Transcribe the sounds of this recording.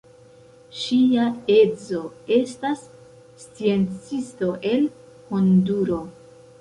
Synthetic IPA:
ʃiae̞d͡zo̞e̞stasː | t͡sie̞nt͡sisto̞ʔe̞l | honduɾo̞

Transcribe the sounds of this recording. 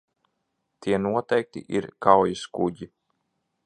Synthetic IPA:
t̪iɛnuɔt̪ɛjk̚t̪ḭʔiɾkawjuskuɟi

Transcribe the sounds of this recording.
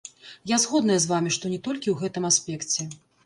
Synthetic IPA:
jazɣɔd̪nɐjɐzvamʲiʂt̪ɔnʲɛt̪ɔlʲkʲiwɣɛt̪ɨmasʲpʲɛkt͡sʲɛ

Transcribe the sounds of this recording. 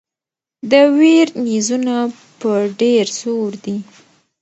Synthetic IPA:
d̪əweɾnizuna | pəɖeɾsoɾd̪i

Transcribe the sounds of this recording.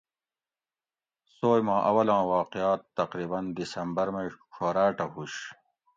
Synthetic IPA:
soːjmãːʔɐ̰wɐlãːwaːqijaːt̪ːɐqɾiːbɐnd̪isɐmbɐɾmekʰoːɾaːʈɐɦuɕ

